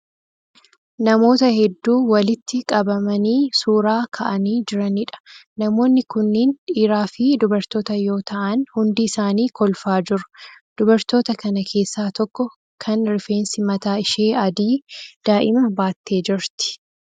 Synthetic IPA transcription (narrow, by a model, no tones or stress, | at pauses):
nɐmo̞ːt̪ɐhɛd̪ːuːwɐlɪt̪ːɪkʼɐbɐmɐniːsuːɾaːkʰɐʔɐniːd͡ʒɪɾɐnɪᶑɐ̥nɐmo̞ːnːɪkʊnːɪnᶑiːɾaːfɪd̪ʊbɐɾt̪o̞ːt̪ɐjo̞ːt̪ʰɐʔɐnhʊnd̪ɪɪsaːniːkɔlfaːd͡ʒɪɾʊ̥d̪̥ʊbɐɾt̪o̞ːt̪ɐkɐnɐkʰe̞ːsːaːt̪ɔkːɔ | kʰɐnɾɪfeːnsɪmɐt̪aːɪʃe̞ːɐd̪iːd̪̥aːʔɪmɐbaːt̪ːe̞ːd͡ʒɪɾt̪ɪ̥